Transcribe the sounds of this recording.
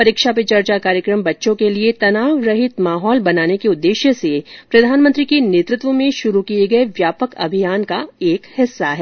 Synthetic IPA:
pɐɾikʃapet͡ʃɐɾt͡ʃakaːɾjəkɾəmbɐtːʃõkeliet̪ɐnaːʋɾɐɦɪt̪maːɦɔːlbɐnaːnekeʊd̪ːeːʃjəsepɾɐd̪ʱaːnmə̃nt̪ɾikeneːt̪ɾɪt̪ʋəmẽʃʊɾukieɡɐeʋjaːpəkɐ̰bʱijaːnkaeːkhɪsːaɦɛː

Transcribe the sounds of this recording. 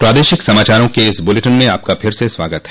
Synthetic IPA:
pɾaːd̪eːʃɪksɐmaːt͡ʃaːɾõkeɪsbʊleʈənmẽaːp̚kapʰɪɾsesʋaːɡət̪ɦɛ̥

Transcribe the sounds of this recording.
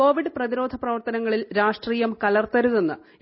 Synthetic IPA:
o̞ːʋiɖɨprɐðiɾo̞ːd̪ʱɐprɐʋɐrt̪ɐnɐŋːɐɭilɾaːʂʈriːjɐmkɐlɐrt̪ɐɾuðenːɨ

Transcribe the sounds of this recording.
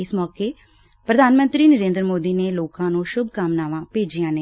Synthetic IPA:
ɪsmɔːkeː | pɾəd̪ʱaːnmə̃nt̪ɾiːnəɾẽːnd̪ɾəmoːd̪iːneːloːkãːnũːʃʊb̚ʱkamnaːʋãːpeːd͡ʒijãːneː

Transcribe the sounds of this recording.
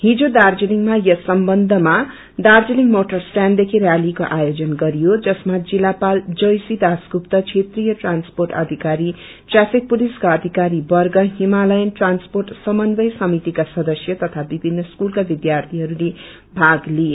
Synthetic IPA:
ɦid͡zod̪ard͡ziliŋmajʌsʌmbʌnd̪ʱʌma | d̪ard͡ziniŋmoʈʌrsʈand̪ekʰiɾjalikoʔajod͡zʌnɡʌɾijod͡zʌsmad͡zilapald͡zʌjsid̪askupt̪ʌt͡sʰet̪rijʌʈransporʈʌd̪ʱikaɾi | ʈrapʰik̚puliskaʌd̪ʱikaɾibʌrɡʌɦimalʌjʌnʈransporʈsʌmʌnbʌjsʌmit̪ikasʌd̪ʌsjʌt̪ʌt̪ʰabibʱinːʌskulkabid̪jart̪ʰiɦʌɾule | bʱaɡlie

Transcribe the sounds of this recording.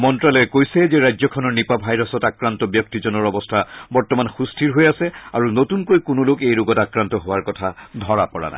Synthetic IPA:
mɔntɹalɔɛkojsɛzɛɹajzɔkʰɔnɔɹnipabʱajɹɔsɔtakɹantɔbjɔk̚tizɔnɔɹɔbɔstʰabɔɹtɔmanxustʰiɹɦojasɛaɹunotunkojkʊnolokejɹoɡɔtakɹantɔɦowaɹkɔtʰadʱɔɹapɔɹa̰na̰j

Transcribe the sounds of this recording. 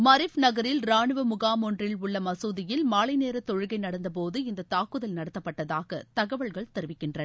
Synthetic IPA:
mɐɾɪfnɐɣɐɾɪlɾaːɳɯʋɐmʊɣaːmɔndrɪlʊɭːɐmɐsuːðɪjɪlmaːɭɐɪneːɾɐt̪ːɔɻɯɣɐɪnɐɽɐnd̪ɐp̬oːðɯɪnd̪ɐt̪aːkːɯðɐlnɐɽɐt̪ːɐpːɐʈːɐðaːɣɐt̪ɐɣɐʋɐɭɣɐɭt̪ɛɾɯʋɪkːɪndrɐ

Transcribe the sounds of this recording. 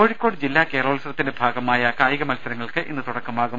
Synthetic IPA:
oːɻikkʲːo̞ːɽɨd͡ʑilːaːkeːroːɭisrɐt̪ːindebʱaːɡɐmaːjɐkaːjɣɐmɐlsɐɾɐŋːɐɭkɨʔinːɨt̪uɽɐkːɐmaːɣum

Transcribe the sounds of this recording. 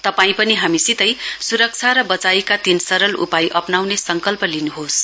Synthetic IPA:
t̪ʌpaĩpʌniɦamisit̪ʌjsuɾʌk̚t͡sʰaɾʌbʌt͡sajkat̪insʌɾʌlṵpajʔʌpnawnesʌŋkʌlpʌlinuɦos

